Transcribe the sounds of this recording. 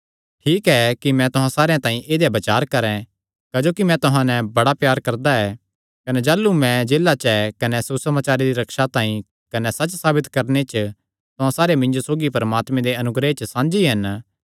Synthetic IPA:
ʈʰiːkɛkimɛ̃t̪ʊɦãsaːɾejãt̪ãːĩʔeːd̪jabɐt͡ʃaːɾkɐɾɛ̃ | kaːd͡ʒoːkimɛ̃t̪ʊɦãnɛbɐɽapjaːɾkɐɾd̪aɛː | kɐned͡ʒaːlːumɛ̃d͡ʒeːlat͡ʃɛkɐnɛsusɐmaːt͡ʃaːɾeɾiɾɐkʃat̪ãːĩ | kɐnɛsɐt͡ʃsaːbɪt̪kɐɾnet͡ʃ | t̪ʊɦãsaːɾemɪ̃ɲd͡ʒosoːɡipɐɾmaːt̪mẽd̪eɐnʊɡɾet͡ʃsãːnd͡ʒiɦɐn

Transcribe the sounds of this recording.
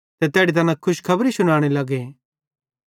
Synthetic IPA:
t̪ɛt̪ɛːɽit̪ɐnãkʰʊʃkʰɐbɾisʊɽ̃aːɽ̃elɐɡe

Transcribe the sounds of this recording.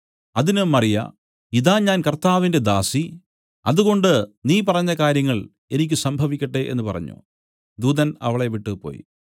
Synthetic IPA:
ɐðinɨmɐrijɐ̰ | iðaːɲaːnkɐrt̪aːʋinde̞d̪aːsi | ɐðuɣo̞ɳɖɨniːp̬ɐrɐɲːɐkaːɾjɐŋːɐɭ | e̞nikʲːɨsɐmbʱɐʋikʲːɐʈːe̞ʔe̞̰nːɨpɐrɐ̰ɲːṵ | d̪uːðɐnɐ̰ʋɐɭe̞ʋiʈːɨpo̰ːji

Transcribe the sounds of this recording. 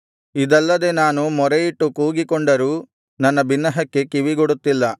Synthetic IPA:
id̪ɐlːɐd̪e̞naːnumɔɾejiʈːukuːɡikɔɳɖɐɾuː | nɐnːɐbinːɐɦɐkːe̞kiʋiɡoɽut̪ːilːɐ

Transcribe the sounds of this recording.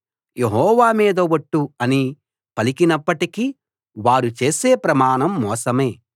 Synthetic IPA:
je̞ɦɔːʋaːmiːd̪ɐʋɐʈːuɐni | pɐlikinɐpːɐʈiki | ʋaːɾut͡ʃe̞ːseːpɾɐmaːɳɐmːɔːsɐme̞ː

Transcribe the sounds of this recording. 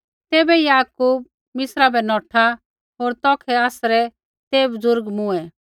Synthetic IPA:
t̪ɛːbɛijaːkuːb̚ | mɪsɾabɛnɔːʈʰa | ɦoːɾt̪ɔːkʰɛaːsɾɛ | t̪eːbzʊɾɡmʊɛ

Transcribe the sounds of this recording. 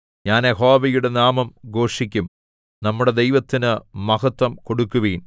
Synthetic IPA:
ɲaːneɦo̞ːʋɐjuɽe̞naːmɐmɡo̞ːʂikʲːum | nɐmːuɽe̞d̪ejʋɐt̪ːinɨmɐɣɐt̪ːɐmko̞ɽukːuʋijn

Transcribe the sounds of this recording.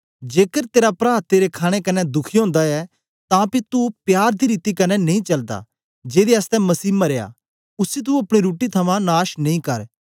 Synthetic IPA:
d͡ʒeːkəɾt̪eːɾapɾaːt̪ːeːɾekʰaːɽ̃ekɐnɛd̪ʊkʰiɦõːnd̪aɛ | t̪ãpit̪upjaːɾd̪iɾiːt̪ikɐnɛnɐĩt͡ʃɐld̪a̰ | d͡ʒeːɾiɐst̪ɛ̃mɐsiːmɐɾeja̰ | ʊsit̪̬uɐpɽ̃iɾuːʈit̪ʰɐmãnaːʃnɐ̃ĩkɐɾ

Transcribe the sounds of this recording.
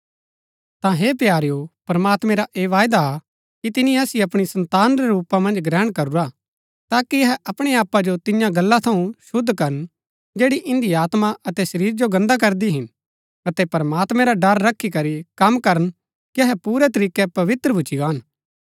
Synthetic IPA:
t̪ãɦeːpjaːɾjopɾɐmaːt̪mɛ̃ɾaʔeːʋaːjd̪a | kit̪ɪnĩaːsiɐpɽ̃isɐ̃nt̪aːnɾɛɾuːpãmɐ̃nd͡ʒɡɾɛːɽ̃kɐɾuɾa | t̪aːkiɐɦɛʔɐpɽ̃eaːpːad͡ʒot̪ɪjãɡɐlːat̪ʰɐũʃʊd̪ʱːkɐɾən | d͡ʒeːɽiʔɪ̃nd̪iaːt̪maʔɐt̪ɛsɐɾiːɾd͡ʒoɡɐ̃nd̪ak̬ɐɾd̪iɦɪn | ɐt̪ɛpɐɾmaːt̪mɛ̃ɾaɖɐɾːɐkʰːikɐɾikɐmkɐɾən | kiɐɦɛpuːɾɛt̪ɐɾiːkɛpɐʋɪt̪ɾəbʱʊt͡ʃːiɡaːn

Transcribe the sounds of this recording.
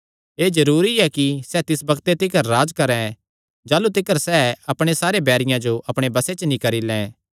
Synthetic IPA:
eːd͡ʒɐɾuːɾiɛkisɛːt̪ɪsbɐɡt̪et̪ɪkəɾːaːd͡ʒkɐɾɛ̃ | d͡ʒaːlut̪ɪkəɾsɛːɐpɽ̃esaːɾebɛːɾɪjãd͡ʒoʔɐpɽ̃ebɐset͡ʃənĩkɐɾilɛ̃ː

